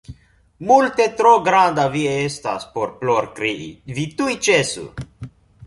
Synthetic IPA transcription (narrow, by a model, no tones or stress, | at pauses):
mult̪e̞t̪ɾoɡɾand̪aviest̪a̰spo̞ɾploɾkɾiʔḭvit̪ujt͡ʃesṵ